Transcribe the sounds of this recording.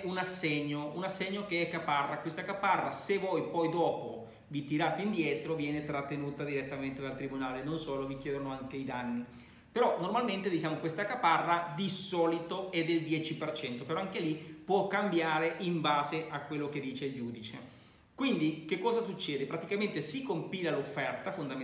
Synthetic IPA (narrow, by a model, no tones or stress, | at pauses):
unasːeɲːounasːeɲːokeɛkːaparːakwest̪akaparːasevɔjpɔjd̪ɔːpo | vit̪iɾaːt̪eind̪jɛt̪ɾovjɛːnet̪ɾat̪ːenuːt̪ad̪iɾet̪ːament̪ed̪alt̪ɾibunaːlenonsoːlovik̟jɛːd̪ɾonoaŋkeid̪anːi | peɾɔnormalment̪ed̪it͡ʃaːmokwest̪akaparːad̪isɔːlit̪oɛd̪ːeld̪jɛːt͡ʃipert͡ʃɛnt̪opeɾɔaŋkelipwɔkːambjaːɾeʔiɱbaːzeʔakːwelːoked̪ːiːt͡ʃeild͡ʒuːd̪it͡ʃḛ | kwind̪ik̟ekːɔːzasut͡ʃːɛːd̪epɾat̪ikament̪esikːompiːlalofːɛrt̪afond̪a